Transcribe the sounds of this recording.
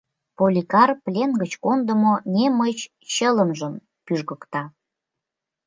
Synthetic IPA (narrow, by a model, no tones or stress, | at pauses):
polʲikɑrplʲenɡət͡ɕkond̪ə̆monemət͡ɕ | ɕələmʒəm | pyʒɣə̆kt̪ɑ